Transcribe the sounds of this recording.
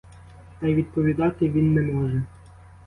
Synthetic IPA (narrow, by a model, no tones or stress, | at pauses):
t̪ɐjʋʲid̪̚pɔʋʲid̪ɑt̪ɪʋʲinːɛmɔʒɛ